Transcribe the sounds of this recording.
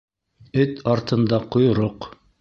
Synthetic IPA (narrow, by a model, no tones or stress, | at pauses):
ɵt̪ʰɑɾt̪ɤ̆nd̪ɑqŏjɾoq